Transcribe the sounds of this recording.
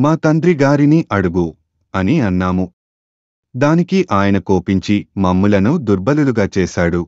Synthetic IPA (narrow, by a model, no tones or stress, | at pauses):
maːt̪ɐnd̪ɾiɡaːɾiniʔɐɽuɡu | ɐniɐnːaːmu | d̪aːnikiʔaːjɐnɐkoːpiɲt͡ʃimɐmːulɐnud̪uɾbɐluluɡaːt͡ʃɛːʃaːɽu